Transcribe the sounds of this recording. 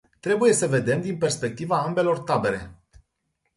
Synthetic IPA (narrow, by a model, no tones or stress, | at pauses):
t̪ɾe̞buje̞səve̞d̪e̞md̪inpe̞rspe̞k̚t̪ivaambe̞lo̞rt̪abe̞ɾe̞